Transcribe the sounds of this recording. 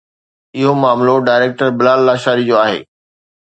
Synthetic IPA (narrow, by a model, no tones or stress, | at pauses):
ɪɦomaːmloɖaːɪɾeːk̚ʈəɾbɪlaːlːaːʃaːɾid͡ʑoːaːɦḛː